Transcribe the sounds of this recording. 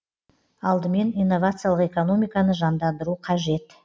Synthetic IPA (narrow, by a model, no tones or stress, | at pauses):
ɑlˠd̪əme̞nijnːo̞vat̪sɨjalˠəqe̞ko̞no̞mijkɑnəʒɑnd̪ɑnd̪əɾuqʰɑʒe̞t̪